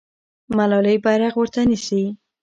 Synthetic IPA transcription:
malɑləjbaɾaɣwəɾt̪anisi

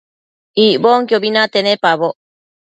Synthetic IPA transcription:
iboŋkjobinat̪enepaβoʔ

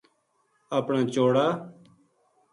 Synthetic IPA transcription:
aːpɳaːt͡ʃoːɽaː

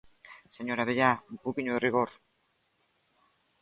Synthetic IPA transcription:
seɲo̞ɾaβejapukiɲueriɣor

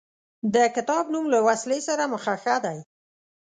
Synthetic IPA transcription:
d̪əkɪt̪ɑbnumlawaslesaɾaməxaxad̪aj

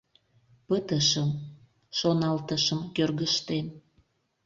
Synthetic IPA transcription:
pət̪əʃəm | ʃonɑlt̪əʃəmkørɣəʃt̪en

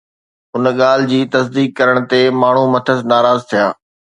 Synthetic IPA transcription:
ʊnɠaːl̤ɪd͡ʑiːt̪ɐsd̪iːkːɐɾəɽ̃t̪emaːɳ̤umɐt̪ʰəsnaːɾaːzt̪ʰijaː

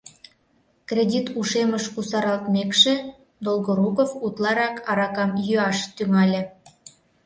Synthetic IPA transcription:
krʲedʲit̪uʃeməʃkusɑɾɑlt̪mekʃĕ | d̪olˠɣoɾukofut̪lˠɑɾɑkʰɑɾɑkɑmjøɑʃt̪yŋɑlʲĕ

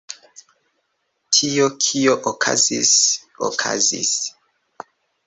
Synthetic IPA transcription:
tʰiokʰioʔokʰa̰zis | o̰kʰa̰zḭs

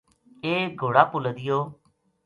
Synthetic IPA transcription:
eːɡʱoːɽaːpʊləd̪ɪjoː

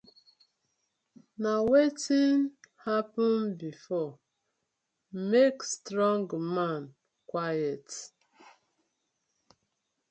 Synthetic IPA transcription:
nawetinhapɔnbifɔ | mekstɾɔ̃ŋɡmãn | kwajɛt

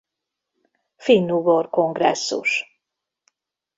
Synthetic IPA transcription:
finːuborko̞ŋɡrɛ̰sːṵʃ

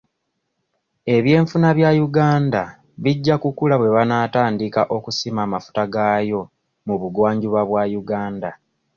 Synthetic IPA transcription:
e̞βje̞ːɱfunaβjajuɡaːnda | βiɟːakukulaβwe̞βanaːtaːndikaʔo̞kusimaːmafu̥taɡajo̞ | muβuɡwaːɲɟuβaβwajuɡaːnda

